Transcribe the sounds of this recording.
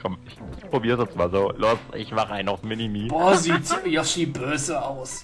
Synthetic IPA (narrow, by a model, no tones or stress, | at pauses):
kʰɔmɪçpʁ̥obiːʁzʊnsmaːlzoːloːsɪ̰çmaχəʔaɪnaʊsmɪnimiːb̥ɔːziːtjɔʃiːb̥øːzəaʊs